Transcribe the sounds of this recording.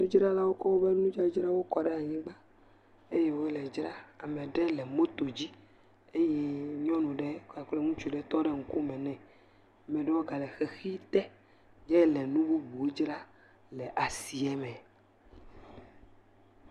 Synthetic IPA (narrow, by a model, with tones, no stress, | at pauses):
e˦d͡ʒɾa˦la˦wo˦kɔ˦wo˦be˦nũ˦d͡ʒa˦d͡ʒɾa˦wo˦kɔ˨ɖɛ˦a˨ɲɛ̃˦ɡ͡ba˦ | e˦je˦wo˦lɛ˨d͡ʒɾa˦a˨mẽ˨ɖɛ˦lɛ˨mo˦t̪o˨d͡ʑi˦ | e˦jɛ˦ɲɔ̃˦nũ˨ɖɛ˦ka˨k͡plɛ˦ŋũ˦t͡ʃu˨ɖɛ˦t̪ɔ˦ɖɛ˦ŋ̩˨ko˦mɛ̃˨nɛ̃˨ | mɛ̃˨ɖɛ˦wo˦ɡa˨lɛ˨xe˨xi˦t̪ɛ˦ | ɲɛ˦lɛ˨nũ˦bu˦bu˨wo˦d͡ʒɾa˦ | lɛ˨ʔa˨si˨ɛ˦mɛ̃˨